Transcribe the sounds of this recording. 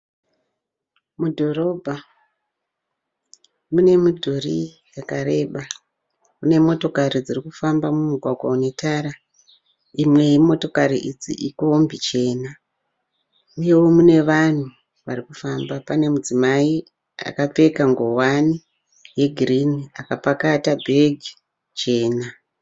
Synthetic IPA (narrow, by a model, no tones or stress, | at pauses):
mudʱo̞ɾo̞bʱa | mune̞mudʱorḭ | jakaɾe̞ɓa | mune̞mo̞to̞kaɾid͡zirikufambamumuɡʱwaɡʱwa̰une̞taːɾa | imwe̞jimo̞to̞kaɾiʔid͡zḭʔiko̞mbit͡ʃe̞ːna | uje̞womune̞ʋan̤u | ʋarikufambapane̞mud͡zimai | a̰kap͡fe̞kaŋɡo̞wani | je̞ɡʱiriniakapakatabʱe̞ɡʱi | t͡ʃe̞ːna